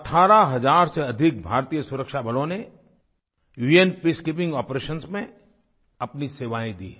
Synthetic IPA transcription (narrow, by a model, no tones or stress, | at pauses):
ɐʈʰaːɾaɦɐzaːɾseɐd̪ʱɪk̚bʱaːɾt̪ijəsʊɾəkʃabʱəlõne | juenpiskɪpɪ̃ŋɡɔːpɾeːʃənsmẽ | ɐpniseːʋaːẽd̪ḭːɛ